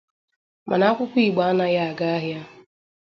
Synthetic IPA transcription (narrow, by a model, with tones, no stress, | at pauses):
mʔa˨na˨˦a˦kʷʊ˦kʷi˦˨ɡ͡ba˨˦a˦na˦ɣa˦a˨ɡa˦a˦ɦja˦